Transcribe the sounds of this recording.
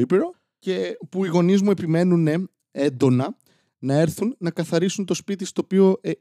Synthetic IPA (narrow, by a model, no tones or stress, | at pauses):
ipiɾo̞ | ce̞puiɣo̞nizmue̞pime̞nune̞ | end̪o̞nɐ | nɐe̞ɾθunːɐkɐθɐɾisunt̪o̞spit̪ist̪o̞ːpio̞ʔe